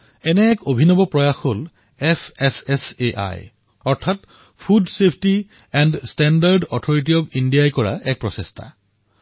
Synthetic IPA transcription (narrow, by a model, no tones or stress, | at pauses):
ɛnɛːkobʱinɔbɔpɹɔjaxol | ɛpʰɛsɛseʔa̰j | ɔɹtʰat | pʰudsepʰti | ɛndstɛndaɹdɔtʰɔɹit̬iɔbindijajkɔɹa̰ɛk̚pɹɔsestʰa̰